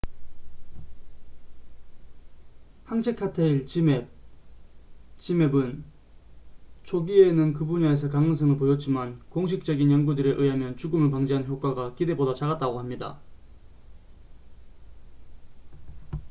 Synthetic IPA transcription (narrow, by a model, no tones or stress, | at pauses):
haŋt͡ɕʰekʰatʰeiɭt͡ɕime | t͡ɕimebɯn | t͡ɕʰoɡie̞nɯnkɯbuɲaes̬ʰʌkaŋɯŋs̬ʰɯŋɯɭpojʌt̚t͡ɕ͈imankoŋɕ̬ʰik̚t͡ɕ͈ʌɡinjʌnɡudɯɾeʔɯɦamjʌnt͡ɕuɡɯmɯɭpaŋd͡ʑiɦannçjok͈̚waɡakide̞bodat͡ɕaɣat̚t͈aɡohamɲida̰